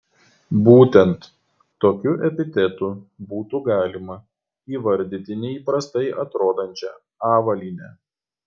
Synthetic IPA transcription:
buːt̪ʲɛnt̪ː | oːkʲuʔɛpʲɪt̪ʲɛt̪ubuːt̪uɡɑːlʲɪmɐ | iːʋɐɾʲd̪ʲɪt̪ʲɪnʲɛiːpɾɐst̪ɐɪʔɐt̪ɾoːd̪ɐnʲt͡ʃʲɛ | ɑːʋɐlʲiːnʲɛ

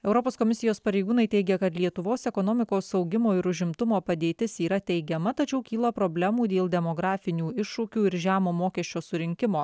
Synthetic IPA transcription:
ɛʊɾɔpoːskɔmʲɪsʲɪjoːspɐɾʲɛɪɡuːnɐɪt̪ʲɛɪɡʲɛkɐt̪lʲiɛt̪ʊʋoːsɛkɔnoːmʲɪkoːsɒʊɡʲɪmoːɪɾʊʒʲɪmt̪ʊmoːpɐd̪ʲeːt̪ʲɪsiːɾɐt̪ʲɛɪɡʲɛmɐt̪ɐt͡ʃʲɛʊkʲiːlˠɐpɾoːbʲlʲɛmuːd̪ʲeːlˠd̪ʲɛmoɡɾɑːfʲɪnʲuːɪʃʊkʲuːɪɾʒʲæːmoːmoːkʲɛʃʲt͡ʃʲoːsʊɾʲɪŋʲkʲɪmoː

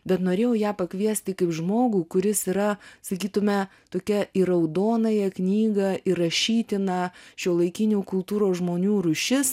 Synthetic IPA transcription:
bʲɛt̪noːɾʲeːjoːjæːpɐkʋʲiɛsʲt̪ʲɪkɐɪpʒmoːɡuːkʊɾʲɪsiɾɐsɐkʲiːt̪ʊmʲɛ | t̪oːkʲɛɪɾɐʊd̪oːnɐjɛknʲiːɡɐɪrɐʃʲiːt̪ʲɪnɐːʃʲuːlˠɐɪkʲɪnʲuːkʊlˠt̪uːɾoːsʒmoːnʲuːɾʊʃʲɪs

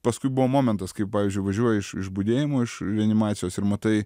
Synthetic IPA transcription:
pɐskʊɪbʊʋoːmoːmʲɛnt̪ɐskɐɪppɑːʋʲizʲd͡ʒʲʊɪʋɐʒʲuɔjɛɪʃɪ̰ʃbʊd̪ʲeːjɪmoːɪʃɾʲɛɐnʲɪmɑːt͡s̪ʲsʲɪjoːsɪɾmɐt̪ɐɪ

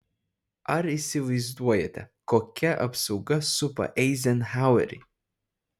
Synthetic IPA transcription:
ɐɾisʲɪʋɐɪzd̪uɔjɛ̰t̪ʲɛkoːkʲɛʔɐ̰psɐʊɡɐsʊpɐ̰ʔɛɪzʲɛnhaʊɛ̰ɾʲḭ

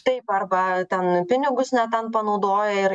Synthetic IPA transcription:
t̪ɐɪpɐrbɐt̪ʲɛnpʲɪnʲɪɡʊsnʲɛt̪ʲɛnpɐnɐʊd̪oːjɛɪɾ

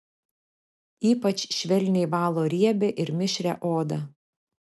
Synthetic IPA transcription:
iːpɐt͡ʃʲʃʲʋʲɛlʲnʲɛɪʋɑːlˠoːɾʲiɛbʲeʔɪɾmʲɪʃʲɾʲɛʔoːd̪ɐ

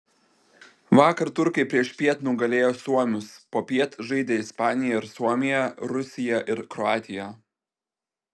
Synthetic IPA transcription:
ʋɑːkɐɾt̪ʊɾkɐɪpʲɾʲiɛʃpʲiɛt̪nuːɡɐlʲeːjoːsuɔmʲʊspoːpʲiɛt̪ʒɐɪd̪ʲeːɪspɑːnʲɪjɛɪɾsuɔmʲɪjɛɾʊsʲɪjɛʔɪɾkɾɔɑːt̪ʲɪjɛ

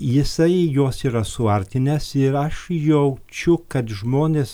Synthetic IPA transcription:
jɪsɐɪjoːsiːɾɐsʊɐɾʲt̪ʲɪnʲeːsɪɾɐʃjɛʊt͡ʃʲʊkɐt̪ʒmoːnʲeːs

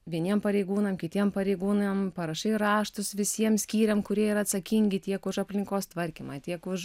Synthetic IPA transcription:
ʋʲiɛnʲiɛmpɐɾʲɛɪɡuːnɐmkʲɪt̪ʲiɛmpɐɾʲɛɪɡuːnjɛmpɐɾɐʃɐɪɾɑːʃt̪ʊsʋʲɪsʲiɛmsʲkʲiːɾʲɛmkʊɾʲiɛiɾɐt̪sɐkʲɪŋʲɡʲɪt̪ʲiɛkʊʃɐpʲlʲɪŋkoːst̪ʋɐɾʲkʲimɑːt̪ʲiɛkʊʃ

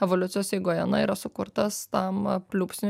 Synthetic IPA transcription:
ɛʋoːlʲʊt̪sʲɪjoːsɛɪɡoːjɛnɐiːɾɐsʊkʊɾt̪ɐst̪ɐmpʲlʲuːpʲsʲnʲ

